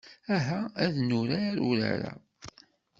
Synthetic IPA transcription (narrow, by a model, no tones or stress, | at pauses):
æɦææðnuɾaɾuɾa̰ɾa̰